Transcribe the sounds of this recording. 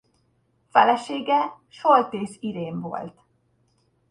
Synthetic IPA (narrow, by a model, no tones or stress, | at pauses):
fɛlɛʃeːɡɛ | ʃolt̪eːsiɾeːɱvo̞̰lt̪